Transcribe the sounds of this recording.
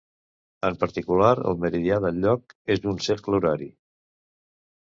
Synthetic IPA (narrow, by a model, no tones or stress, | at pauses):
əmpəɾt̪ikulaɾə̰lˠməɾiðiaðəlʎːɔkezd̪unsekluɾaɾi